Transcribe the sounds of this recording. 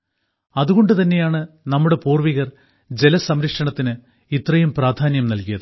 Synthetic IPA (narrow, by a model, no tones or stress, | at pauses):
ɐðuɣo̞ɳɖɨt̪ɐnːe̞jaːɳɨ | nɐmːuɽe̞puːrʋiɣɐr | d͡ʑe̞lɐsɐmɾɐkʂɐɳɐt̪ːinɨ | it̪rɐjumpraːd̪ʱaːnjɐmnɐlkijɐðɨ